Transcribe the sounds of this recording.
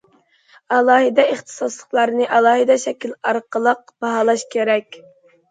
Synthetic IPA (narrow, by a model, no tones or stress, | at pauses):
ɑlˠɑːɦɨd̪ɛeχt̪ʰɨ̥sɑslˠəχlˠɑɾnɨʔɑlˠɑːɦɨd̪ɛʃɛkʲilɑɾqəlˠəq̚b̥ɑɦɑlˠɑʃkʲʰeɾɛkʲ